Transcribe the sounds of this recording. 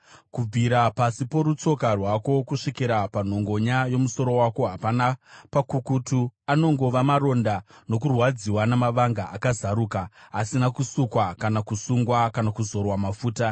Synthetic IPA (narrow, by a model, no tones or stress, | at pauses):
kub͡viɾapasipo̞ɾut͡so̞karwako̞kuʂikiɾapan̤o̞ŋɡo̞ɲajo̞muso̞ɾo̞wako̞ɦapanapakukutuano̞ŋɡo̞ʋamaɾo̞ndano̞kurwad͡ziwanamaʋaŋɡaʔakazaɾuːkaːsinakusukwakanakusuŋɡwakanakuzo̞rwamafuːta